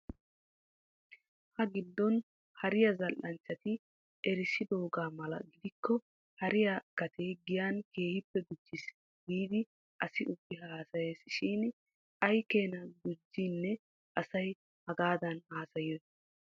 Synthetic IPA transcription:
hɐɡɪd̪ːɔn | hɐɾɪjɐzɐlʔːɐnt͡ʃːɐt̪ɪ | ʔɛɾɪsɪd̪o̞ːɡaːmɐlɐ̰ɡɪd̪ɪkːɔ | hɐɾɪjaɡ̥ɐt̪ʰeɡɪjanke̞ːhɪpːɛɡʊd͡ʒːɪs | ɡiːd̪ɪ | ʔɐsɪʔʊbːɪɦaːsɐjeːsʃin | ɐjke̞ːnɐɡʊd͡ʒːinːɛ | ʔɐsɐj | hɐɡaːd̪ɐnhaːsɐjɔ

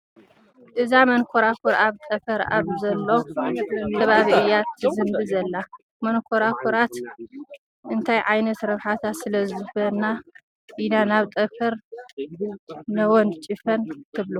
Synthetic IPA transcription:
ʔɨzamɐnkʰoɾakʰoɾaβt̪ʼɐfɐɾa̰βzɐlːowʰ | ɐβaβiʔɨjat̪ʰːɨzɨmbɨzɐlːa | mɐnkʰoɾakʰoɾat̪ | ʔɨnt̪ʰajʕajnɐt̪ɾɐβħat̪ʰasɨlɐzɨfɐna | ʔinanaβt̪ʼɐfɐɾ | nɐwɔnt͡ʃʼifɐnk̪ʰɨβlu

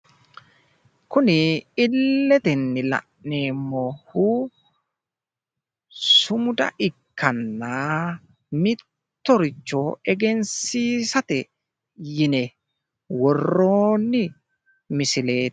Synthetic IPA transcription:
kʊnɪɪlːɛt̪ɛnːɪlɐ̰ʔneːmːohuː | sʊmʊd̪ɐ̰ʔɪkːɐnːaː | mɪt̪ːɔɾɪt͡ʃːɔɛɡɛnsiːsɐt̪ɛ | jɪnɛ | wɔrːoːnːɪ | mɪsɪle̞ːt̪

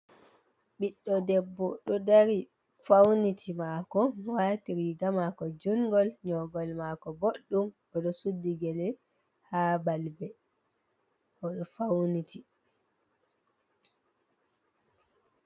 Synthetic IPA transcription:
ɓiɗːɔdɛbːɔɗɔdaɾi | fawnitʰimakɔwaːtiɾiɡamakɔd͡ʒuŋɡɔlɲɔɡɔlmakɔboɗːum | ɔɗɔsudːiɡɛlɛ | haːbalbɛ | ʔɔɗɔfawniti

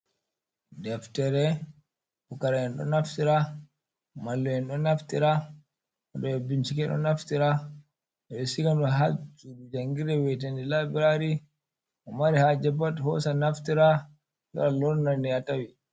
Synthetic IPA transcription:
dɛftɛɾɛ | fukaɾajɛnɗɔ̰naftiɾa | malːɔjɛnɗɔnaftiɾa | ɔɗɔjɛbint͡ʃikɛɗɔ̰naftiɾa | ɛɗɔsiɡanɗɔɦad͡ʒuɗud͡ʒaŋɡiɾɛwɛt̬andilabiɾaɾi | ʔɔmaɾihad͡ʒɛbathɔsanaftiɾa | ɗɔ̰ɾalɔɾnaniatawi

